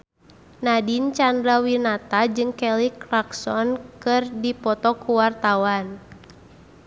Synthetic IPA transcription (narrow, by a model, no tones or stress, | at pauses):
nadint͡ʃandɾawinat̪ad͡ʒɨŋkɛlikɾaksɔnkɨrdipɔt̪ɔkuwart̪awan